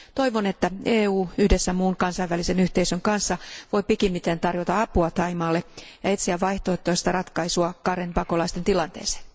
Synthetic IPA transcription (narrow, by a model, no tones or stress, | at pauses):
t̪o̞iʋone̞t̪ːæʔeːuːyhdesːæmuːŋkɑnsɑjʋælisenyht̪eisøŋkɑnsːɑʋo̞jpikimːit̪ent̪ɑrjot̪ɑɑpuɑt̪ɑimɑːlːejɑet̪siæʋʋɑiht̪oet̪ːojst̪ɑrɑt̪kɑisuɑkɑɾenpɑko̞lɑist̪e̞nt̪ilɑnt̪ḛːse̥ːn